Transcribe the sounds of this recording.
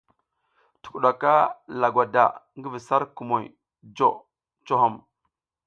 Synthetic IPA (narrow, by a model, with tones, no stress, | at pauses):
tu̥˨ku˨ɗa˨ka˦la˨ɡwa˨da̰˨ŋɡvi˨sa˦ɾku˨mo˨j | d͡ʒo˦˨ | t͡ʃo˦ɦo˦˨m